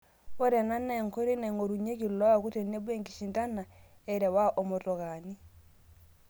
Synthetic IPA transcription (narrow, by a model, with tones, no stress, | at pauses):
o˦ɾɛ˨na˦na˦ɛ˨ŋko˦ɾe˦na˨ŋo˨ɾu˨ɲe˦ki˨lɔ˦wa˨ku˦te˨ne˦βwe˦ŋki˨ʃi˨nta˦na˨ | e˨ɾɛ˨wa˦ʔo˨mo˨to˨ɣa˨ni˦